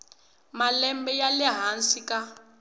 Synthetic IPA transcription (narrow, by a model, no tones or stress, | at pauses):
malɛmbɛjalɛɦansika